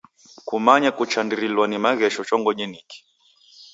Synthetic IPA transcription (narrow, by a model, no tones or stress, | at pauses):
kumaɲakut͡ʃandiɾilwanimaɣɛʃɔt͡ʃɔŋɡɔɲɛniki̥